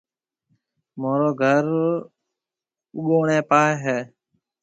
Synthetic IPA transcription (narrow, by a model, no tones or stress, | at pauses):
moːɾoːɡʱəɾ | ʊɠoːɳeːpaːɦɛː